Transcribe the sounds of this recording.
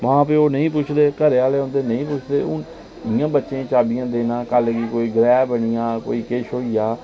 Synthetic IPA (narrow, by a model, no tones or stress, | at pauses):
ʋãːp̬eːoːnəĩːpʊt͡ʃʰd̪eːkəɾeːaːleːɦõːnd̪eːnəɦĩːpʊt͡ʃʰd̪eːʊn | ɪjãːbətːʃeãːt͡ʃaːbijãːd̪eːnãːkəlkiːkoːiːɡɾɛːbəɳijãːko̰ːiːkeːʃoːiːjaː